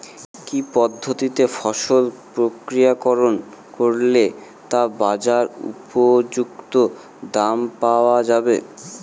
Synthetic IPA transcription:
kipɔd̪ʱːot̪it̪efɔʃolpɾokɾijakɔɾon | koɾle | t̪abad͡ʑaɾṵpod͡ʑukt̪o | d̪ampaoad͡ʑabḛ

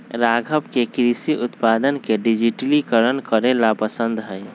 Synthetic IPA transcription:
ɾaːɡʱəpkekɾisiʔʊt̪paːd̪ənkeɖid͡ʒiʈəlikəɾənkəɾelapəsə̃nd̪ɦɛː

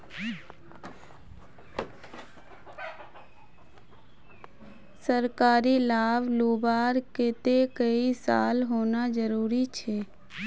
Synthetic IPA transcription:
səɾkaːɾilaːʋloːbaːɾket̪ekəisa̰ːlɦoːnad͡ʒəɾuːɾit͡ʃʰeː

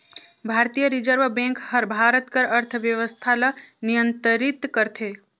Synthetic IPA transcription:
bʱaɾt̪ijəɾid͡ʒəɾʋbẽŋkhəɾbʱaɾət̪kəɾəɾt̪ʰʋjəʋəst̪ʰalənijənt̪əɾit̪kəɾt̪ʰe

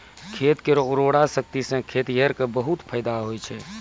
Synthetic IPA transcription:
kʰet̪keɾɔɾoɽasək̚t̪isə̃kʰet̪jəɾkebəɦut̪pʰəjd̪aɦojt͡ʃʰɛ

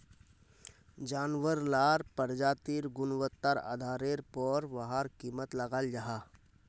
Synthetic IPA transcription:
d͡ʒaːnwəɾlaːɾpəɾd͡ʒaːt̪iːɾɡʊnwət̪ːaɾa̰ːd̪ʱaːɾeːɾpɔːɾʋɐɦaɾkiːmət̪lɐɡaːld͡ʒaɦaː

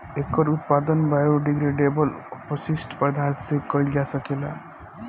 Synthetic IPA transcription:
ekːəɾut̪pad̪ənbajoɖiɡɾeɖebəlopəsisʈpɾəd̪ʱansekəjld͡ʒasəkela̰

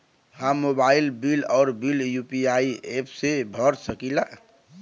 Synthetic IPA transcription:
hãmobaːɪlbilɔːɾbiljupiaiepʰsebʱəɾsəkila

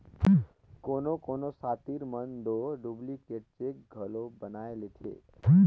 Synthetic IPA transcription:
konokonosat̪iɾmənd̪oɖublikeʈ̚t͡ʃek̚ɡʱəlobənaelet̪ʰḛ

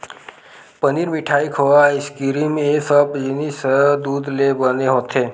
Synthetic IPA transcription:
pəniːɾmiʈʰaikʰoaiskiɾimesəbd͡ʑinisəd̪uːd̪lebəneɦot̪ʰe

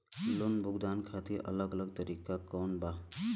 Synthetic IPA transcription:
lunbʱʊɡd̪ankʰat̪iɾʔə̰ləɡələɡ̚t̪əɾikakɔnba

